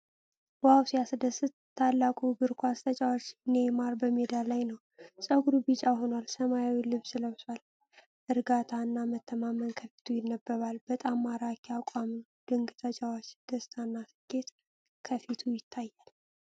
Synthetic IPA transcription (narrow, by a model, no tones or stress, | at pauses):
wawsijasɨd̪əsɨt̪t̪ʰːalːakʼuɡɨɾkʷʰast̪ʼʰət͡ʃʼawot͡ʃːɨne̞maɾbəmed̪alajnəw | sʼəɡɾubit͡ʃʼaho̞nalsəmajawilɨβsɨləβswal | ʔɨɾɡat̪ʰaɨnːamət̪ʰːəmamənkʰəfi̥t̪ʰujɪnːəbːəβalbət̪ʼamːaɾakʰiakʷʼamɨn | d̪̥ɨŋɡɨt̪ʰət͡ʃʼawot͡ʃːd̪̥əst̪ʰanːasɨɡe̞t̪ | kʰəfit̪ʰujɪt̪ʰːajːal